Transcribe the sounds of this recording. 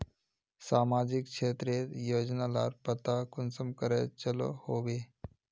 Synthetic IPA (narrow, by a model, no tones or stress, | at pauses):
samad͡ʑikʂet̪ɾet̪jod͡ʑnala̰ɾpət̪akunsəmkəɾajt͡ɕəlɔ̰hoʋe